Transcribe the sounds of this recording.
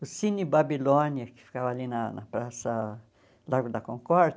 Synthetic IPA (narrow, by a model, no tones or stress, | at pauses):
ʊsĩnɪbabilõnjɐkɪ̥fi̥kavɐalinɐnɐ̰pɾasɐ | laɾɡʊd̪ɐkõŋkɔɾ